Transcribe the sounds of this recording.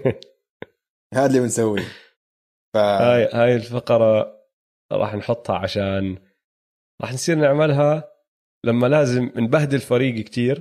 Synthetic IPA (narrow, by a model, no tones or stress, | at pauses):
haːlimɪnsawːi | fahajhaːjɪlfɑqɑɾˤɑ | ɾˤʔɑ̰ːħnħʊt̪ˤːhɑ̰ʕa̰ʃaːn | ɾˤɑ̰ːħnsˤiːɾnɪʕmalɦa | lamːalaːzɪmnbahd̪ɪlfaɾiːɡkt̪iːɾ